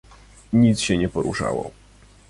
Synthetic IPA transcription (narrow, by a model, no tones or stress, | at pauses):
ɲit̪sɕɛɲɛpɔɾṵʂa̰wɔ̰